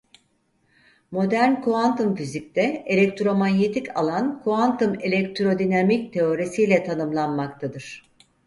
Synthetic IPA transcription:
mo̞d̪æɾnkʰuant̪umfizic̚t̪ʰɛelʲɛct̪ɾo̞maɲet̪ʰicʰa̰lˠankʰoant̪ʰumelʲɛk̚t̪ɾo̞d̪inamic̚t̪ʰe̞o̞ɾesijlʲɛt̪ʰanɯmlˠanmakt̪ʰad̪ɯɾ̥

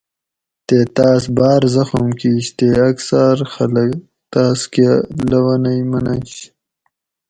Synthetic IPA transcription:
t̪eːt̪aːs̬baːɾzɐxumkiːɕt̪eːɐksaɾxɐlɐk | t̪aːskelɐwɐnɐjmɐnɐɕ

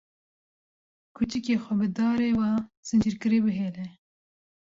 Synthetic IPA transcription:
kʰut͡ʃɨkeːxʷɛbɨd̪ɑːɾeːwɑːz̥ɨnd͡ʒiɾkɨɾiːbɨɦeːlɛ

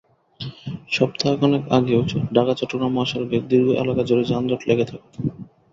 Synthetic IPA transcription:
ʃɔb̚t̪ʰakɔnekaɡeot͡ɕʰoɖʱakat͡ɕɔʈːoɡɾamoaʃɔɾoked̪iɾɡʱoʔɛ̰lakad͡ʑoɾed͡ʑand̪ɔʈleɡet̪ʰake

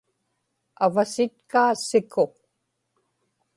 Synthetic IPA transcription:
avasɪt̪kaːsɪkʰʊ

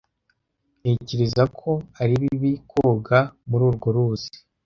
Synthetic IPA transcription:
jeːciɾizakʰo̞aɾiβiβikʰo̞ɡamuɾuːɾɡo̞ɾuzi̥

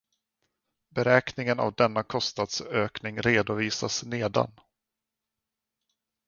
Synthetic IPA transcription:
bɛɾɛːknɪŋəna̰vd̪ɛnːakʰɔst̪nad̪søːknɪŋɾeːd̪ʊviːsasneːd̪a̰n

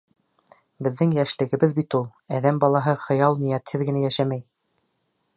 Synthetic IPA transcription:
bɘ̆ðːɘŋjæʃlɘ̆ɡɘ̆bɘðbit̪ulˠ | æðæmbɑlˠɑɦɤχɤ̆jɑlˠnijæt̪hɘðɡɘ̆næjæʃæmæj

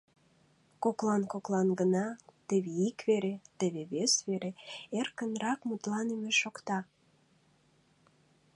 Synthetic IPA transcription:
koklɑnkoklɑnɡənɑt̪eβeikβeɾet̪eβeβesβeɾeerkənɾɑkmut̪lɑnemeʃokt̪ɑ

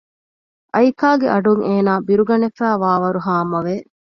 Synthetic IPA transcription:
ʔɐjkaːɡeʔɐɖuŋeːnaːbiɾuɡɐnefæːʋaːʋɐɾuɦaːmɐʋe

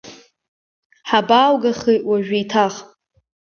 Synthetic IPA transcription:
ħabaːwɡaχiʔwaʒᶣiːtʰaχ

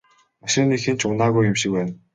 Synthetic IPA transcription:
maʃ̆rnixint͡ɕʊnaːɣujʊmʃik̚wæːn

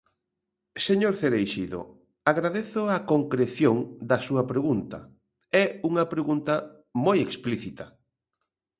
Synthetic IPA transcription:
seɲoɾθeɾejʃiðo̰ | aɣɾaðeθʊakoŋkɾeθjoŋd̪ɐsuɐpɾeɣunt̪ɐ̰ | ɛuŋɐpɾeɣunt̪ɐ | mojekspliθit̪ɐ

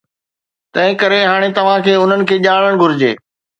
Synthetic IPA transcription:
t̪ɐ̃ɦɪ̃kɐɾeɦaːɽ̃et̪ɐʋ̤ãkʰeːʊn̤ənɪ̆kʰeːʄaːɭəɽ̃ɡʱʊɾɪd͡ʑḛː

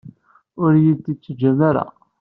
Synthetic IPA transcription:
ʊɾjid̪it͡sːd͡ʒæmaɾæ̰

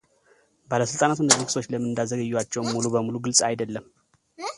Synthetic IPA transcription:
baləsɨlt̪ʼanat̪ɨnːəzikɨ̥so̞t͡ʃːləmːɨnd̪azəɡəjːuwat͡ʃːɛwmmːulubəmuluɡɨlsʼajd̪əlːəm

